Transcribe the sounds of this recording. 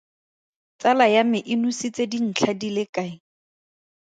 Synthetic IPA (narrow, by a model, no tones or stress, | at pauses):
t͡salajamɪʔɪnusit͡sedin̩t͡ɬʰadilɪkʼaɪ